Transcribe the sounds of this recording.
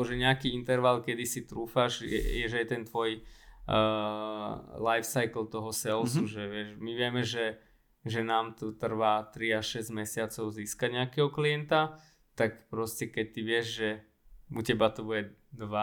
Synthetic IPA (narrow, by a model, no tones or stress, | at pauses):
ɔʒɛɲɛakiːint̪ɛɾʋalkɛd̪isit̪ɾuːfaʒjɛ̰jɛʒɛjɛt̪ɛnt̪ʋɔj | lajfsajkl̩t̪ɔɦɔsɛlsuʒɛʋɪɛʃmiʋɪɛmɛʒɛ | ʒɛnaːmt̪ɔt̪r̩ʋaːt̪ɾiaʃɛzɟmɛsɪat͡sɔʊziːskaɲɛakɛɦɔkliɛnt̪a | t̪akpɾɔscɛkɛc̚t̪iʋɪɛʒʒɛ | ucɛbat̪ɔbuɟɛ | d̪ʋa